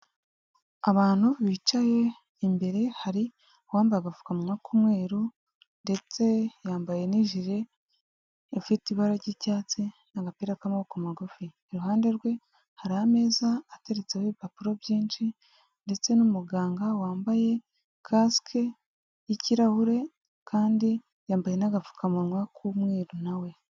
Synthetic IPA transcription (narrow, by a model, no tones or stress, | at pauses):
aβaːn̥uββit͡ʃaje̞ | imbe̞ɾe̞haɾi | waːmbajaɡavu̥kamumaːkʰumŋe̞ːɾu | nde̞t͡se̞jaːmbajeniʒiɾe̞ | fitiβaɾaɟicaːt͡sinaɡapiːɾakamaokumaɡufiːɾuɦaːnde̞ɾɡwe̞ | haɾahame̞ːzaːteɾet͡seheβipapuɾo̞bjiːnʃi | nde̞t͡se̞numuɡaːŋɡawaːmbaje̞ | kʰaskʰe | iciɾahuɾe̞ | kʰaːndi | jaːmbaje̞naɡavu̥kamuɾŋwakʰumŋe̞ːɾunawe̞